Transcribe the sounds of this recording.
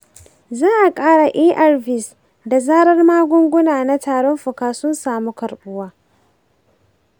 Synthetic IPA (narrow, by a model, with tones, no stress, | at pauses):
zaː˦ʔa˨kʼaː˦ɽa˨ʔiː˦ʔa˦˨rvɪ˨s | da˨zaː˦ɽɐ˦rmaː˦ɡʷʊ˦ŋɡʷʊ˦naː˨na˦taː˨ɽɔ˦mɸʊ˨kaː˨sʊ˦nsaː˨mu˦kɐ˨ɽɓʊ˦waː˦